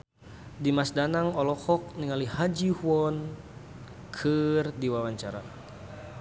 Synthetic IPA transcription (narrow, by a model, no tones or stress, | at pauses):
dimasdanaŋɔlɔkɔk̚niŋalihad͡ʒihuɔn | kʰɨrdiwawaɲt͡ʃaɾa̰